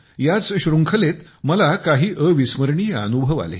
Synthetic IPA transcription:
jat͡sɕɾuŋkʰəlet̪ | məlakaɦiːʔəʋisməɾɳiːə̰nubʱəʋa̰lḛ

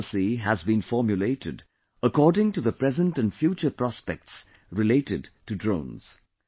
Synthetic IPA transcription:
siəzbĩnfɔɹmjuleɪɾɪd | əkʰɔɹdɪ̃ŋtɨðəpʰɹ̥ɛzə̃ntɨ̃nfjut͡ʃə˞pʰɹ̥ɑspɛ̰k̚ts | ɹɨleɪɾɪdtɨdɹõʊ̃nz̥

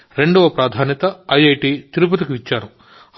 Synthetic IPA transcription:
ɾe̞ɳɖɐʋɐpɾaːd̪ʱaːnjɐt̪ɐɐjɐjʈiːt̪iɾup̬ɐt̪ikiʋit͡ʃːaːɾu

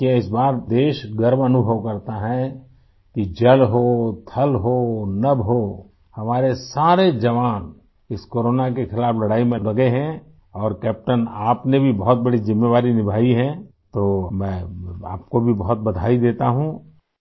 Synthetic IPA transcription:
kiaɪsbaːɾd̪eːʃɡəɾmɐnʊbʱəʋkɐɾt̪aɦɛ | kid͡ʒɐlɦoːt̪ʰɐlɦonɐbɦoː | hɐmaːɾesaːɾed͡ʒɐʋaːn | ɪskoːɾoːnakexɪlaːflɐɽaːimẽlɐɡeɦɛ̃ | ɔːɾkɛːp̚ʈənaːpnebʱibɔɦʊt̪̚bɐɽizɪmːeʋaːɾinɪbʱaːiɦɛ̃ | t̪omɛ̃ːa̰ːp̚kobʱibɐɦʊt̪̚bɐd̪ʱaːid̪eːt̪aɦũː

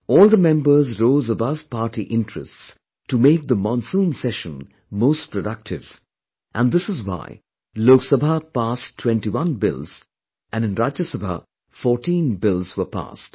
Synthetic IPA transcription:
ɔːlˠd̪əmɛ̃mbə˞zɾoːzəbʌv̥paɹʈiʔɪ̃ntɹ̥ə̰sts | tumeɪk̚d̪əmɔ̃nsũnsɛʃə̃n | moʊstpʰɹəɖʌk̚tʰɪv | ʔæ̃nd̪ɪsɨzwa̰ɪ | loʊksəbʱapastʰːw̥ɛ̃ntiwʌ̃nbɪ̰lˠz̥ | ʔɨ̃nɨ̃nɾad͡ʒəsəbʱa̰ | fɔːɹʈĩnbɪlˠzwə˞pa̰st

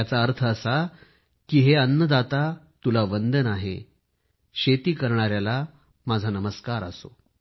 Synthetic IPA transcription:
jat͡saəɾt̪ʰəːsa | kiːɦeənːəd̪at̪a | t̪ulaʋənd̪ənaɦḛ | ɕet̪iːkəɾɳaɾjala | mad͡zʱanəməskaɾə̰so̰

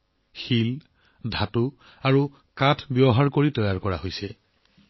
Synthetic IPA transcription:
xil | dʱatu | aɹu | katʰbjɔɦaɹkoɹitɔjaɹkɔɹa̰ɦojsɛ

